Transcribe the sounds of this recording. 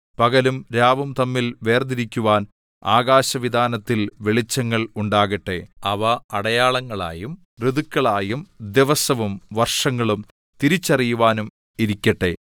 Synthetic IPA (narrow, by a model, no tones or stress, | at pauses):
pɐɣɐlumɾaːʋɐmt̪ɐmːilʋe̞ːrd̪iɾikʲːuʋaːn | a̰ːɣaːɕɐʋid̪ʱaːnɐt̪ːilʋeɭit͡ɕːɐŋːɐɭuɳɖaːɣɐʈːe̞ɐʋɐɐɽɐjaːɭɐŋːɐɭa̰ːjum | riðukːɐɭaːjumd̪eʋɐsɐʋumʋɐrʂɐŋːɐɭum | t̪iɾit͡ɕːɐrijuʋaːnum | iɾikʲːɐʈːe̞